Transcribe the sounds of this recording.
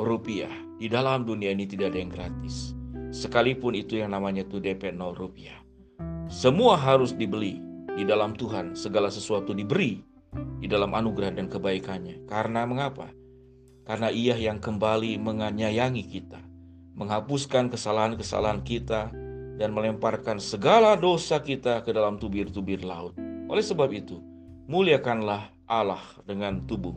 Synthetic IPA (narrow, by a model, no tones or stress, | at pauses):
rupia̰h | didalamduniainit̪idaʔːdajaŋɡɾat̪ɪsːəkalipʊnit̪ujaŋnamaɲat̪udepɛt̪̚nɔrupia | səmuaɦaɾʊsdibəlididalamt̪uɦansəɡalasəsuat̪udibəɾi | didalamʔanuɡɾaandankəbaikanɲakaɾənaməŋapa̰ | karənaʔijahjaŋkəmbaliməŋaɲajaŋikit̪a | məŋɦapuskankəsalaɦankəsa̰laɦankit̪adanməlɛmparkansəɡaladosakit̪akədalamt̪ubɪrt̪ubɪrlaʊt̪̚ʔo̰lɛhsəbap̚it̪u | muliakanlah | ʔalah | dəŋant̪ubʊh